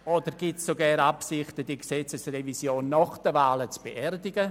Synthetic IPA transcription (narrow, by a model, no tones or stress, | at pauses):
od̥əɾɡ̥itssoɡɛːɾapsɪχtəd̥iksɛt͡səsrevisjoːnːɔχd̥əvaːlət͡sb̥eʔɛrdɪɡə